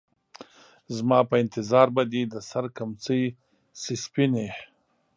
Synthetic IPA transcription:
zmɑːpəɪnt̪ɪzɑːɾbad̪id̪əsaɾkamt͡səj | sispine

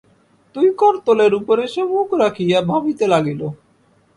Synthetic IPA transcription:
t̪ujkɔɾt̪oleɾupoɾeʃemukʰɾakʰijabʱabit̪elaɡilo

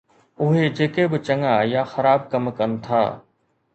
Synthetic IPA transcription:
ʊɦed͡ʒeːkebɪt͡ʃɐŋajaːxɐɾaːb̚kɐmkənt̪ʰa̰ː

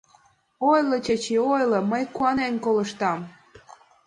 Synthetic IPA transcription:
ojlə̆t͡ɕet͡ɕiojlɤ̆məjkuɑnenkoləʃt̪ɑm

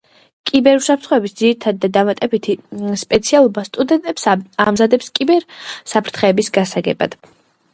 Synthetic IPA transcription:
kʼibɛɾusapʰɾt̪χɔɛbisd̪ziɾit̪ʰad̪̚ːad̪amat̪ʼɛbit̪ʰispʼɛt̪sʰialˠɔbast̪ʼud̪ɛnt̪ʼɛpsamzad̪ɛpskʼibɛɾsapʰɾt̪ʰχɛːbisɡasaɡɛ̰ba̰d̪̥

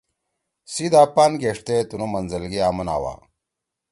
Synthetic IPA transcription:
sid̪aːpaːnɡeʂt̪et̪unumɐnzɐlɡiaːmɐna̰ːwa̰ː

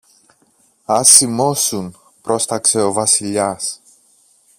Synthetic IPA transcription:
ɐsimo̞sun | pɾo̞st̪ɐkse̞o̞vɐsiʎɐs

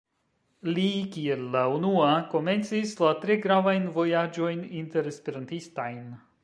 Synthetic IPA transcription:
likie̞lːaunuako̞me̞nt͡sislatɾe̞ɡɾavajnvo̞jad͡ʒo̞jninte̞ɾespiɾantistajn

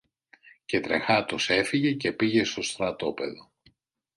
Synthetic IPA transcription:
ce̞t̪ɾe̞xɐt̪ose̞fiʝe̞ce̞piʝe̞st̪o̞st̪ɾɐt̪o̞pe̞ðo̞

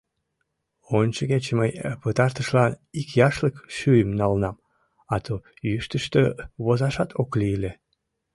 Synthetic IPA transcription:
ont͡ɕəɣet͡ɕməjpət̪ɑrt̪əʃlɑnikjɑʃləkʃyjəmnɑlnɑm | ɑt̪ʰo | yʃt̪əʃt̪øβozɑʃɑt̪ʰokliːle

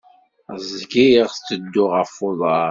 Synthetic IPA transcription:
zɡiʁst͡sːəd̪ːʊʁəfːoðˤɑɾ

